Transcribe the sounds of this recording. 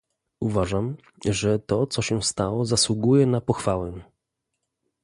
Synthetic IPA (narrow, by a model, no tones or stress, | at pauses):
uvaʐam | ʐɛt̪ɔt̪sɔɕɛst̪awɔzaswuɡujɛnapɔxfawɛ